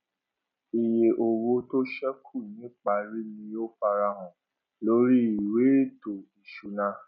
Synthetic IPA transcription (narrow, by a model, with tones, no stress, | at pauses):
i˨je˨ʔo˨wo˧to˦ʃɛ˦kʰu˦˨nĩ˨˦k͡pa˧ɾi˦mĩ˧jo˦fa˧ɾa˧ɦɔ̃˨ | lo˦ɾi˦i˨we˨˦˨do˨i˨ʃu˨nã˧˦